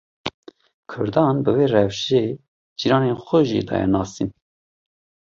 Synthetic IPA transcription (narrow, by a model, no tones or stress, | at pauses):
kʰʊ̰ɾd̪ɑːnbɨveːɾɛvʃe | d͡ʒiɾɑːnenxʷɛʒḭd̪ɑ̰ːjɛ̰nɑːsin